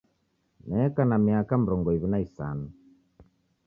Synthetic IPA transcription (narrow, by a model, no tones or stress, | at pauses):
nɛːkanamiakam̩ɾɔŋɡɔiβinaisa̰nu